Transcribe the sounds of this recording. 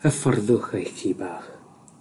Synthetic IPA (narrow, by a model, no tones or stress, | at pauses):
əfɔrðʊχejkiːbaːχ